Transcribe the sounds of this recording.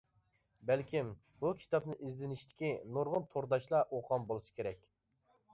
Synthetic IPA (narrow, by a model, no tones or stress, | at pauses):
bælkʲʰim | bukʲʰi̥t̪ʰɑpnɨʔizlɪnɪʃt̪ʰɪ̥kʲinoɾʁʊnt̪ʰoɾd̪ɑʃlˠɑʔoqʰɑmbolˠɨsɨ̥kʲʰeɾɛk̚ʲ